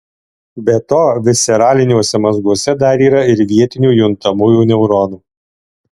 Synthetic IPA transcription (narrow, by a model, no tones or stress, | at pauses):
bʲɛt̪oːʋʲɪsʲɛɾɑːlʲɪnʲuɔsʲɛmɐzɡuɔsʲɛd̪ɐɾiːɾɐɪɾʋʲiɛt̪ʲɪnʲuːjʊnt̪ɐmuːjuːnʲɛʊɾɔːnuː